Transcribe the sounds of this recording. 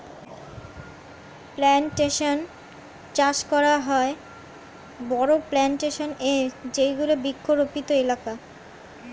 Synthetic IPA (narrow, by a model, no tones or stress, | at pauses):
plɛnʈeʃon | t͡ɕaʃkɔɾaɦɔe | bɔɾoplɛnʈeʃoned͡ʑejɡulobikʰːoɾopit̪oelaka